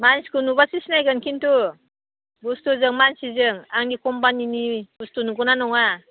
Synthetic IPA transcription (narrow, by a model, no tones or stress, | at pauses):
manskɯnuβasisnajɡɯnkintu | ɡustuzɯŋmansizɯŋaŋdikɔmpaniniɡustunuɡɔnanɔŋa